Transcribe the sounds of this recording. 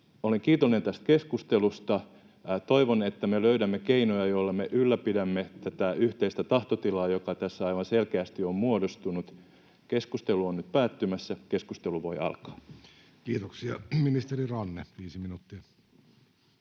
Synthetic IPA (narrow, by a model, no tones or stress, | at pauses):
oleŋkiːt̪olːˑinent̪æst̪̚keskust̪elust̪ɑ | t̪oiʋonet̪ːæmeløydæmːekeinojɑjoilːɑmeʔylːæpidæmːet̪æt̪æyht̪eist̪æt̪ɑht̪ot̪ilɑːjokɑt̪æsːæɑiʋɑnselkeæst̪iommuodost̪unut̪ | keskust̪eluonnyt̪̚pæːt̪ːymæsːækeskust̪eluʋoiɑ̰lkɑ̥ː | kiːt̪oksiɑminist̪erirɑnːeʋiːsiminut̪ːiɑ